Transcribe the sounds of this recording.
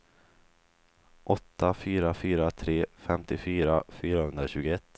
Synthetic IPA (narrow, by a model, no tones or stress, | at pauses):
ʔɔt̪ʰːafyːɾafyːɾat̪ʰɾeːfɛmt̪ɪfyːɾafyːɾahɵnd̪ɾaɕʉ̟ːɡʊɛt̪ː